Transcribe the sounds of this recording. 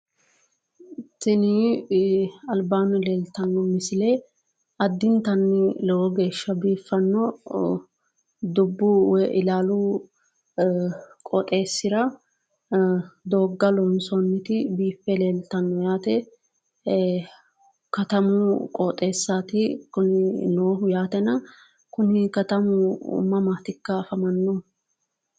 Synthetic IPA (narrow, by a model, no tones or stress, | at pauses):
tːɪnɪ | ɐlbaːnʊleːlt̪ɐnːɔmɪsɪle | ɐd̪ːɪnt̪ɐnːɪlɛwɔɡe̞ːʃːɐbiːfːɐnːɔ | d̪ʊbːuwɛʔɪlaːlu | kʼɔt̪ʼe̞ːsːɪɾɐ | d̪oːɡːɐlɔnsɔnːɪt̪ɪbiːfːɛleːlt̪ɐnːɔjaːt̪ɛ | kɐt̪ɐmʊkʼɔt̪ʼe̞ːsːaːt̪ɪkʊnɪloːɦʊjaːt̪ɛnɐ | kʊnɪkɐt̪ɐmʊʊ̰mːɐmaːt̪ɪkːɐːfɐmɐnːɔ